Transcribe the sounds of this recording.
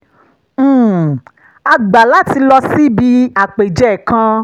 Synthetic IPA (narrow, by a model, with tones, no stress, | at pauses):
a˧ɡ͡ba˨la˦ti˧lɔ˧si˦bi˧a˨k͡pe˨d͡ʒɛ˦˨kã˧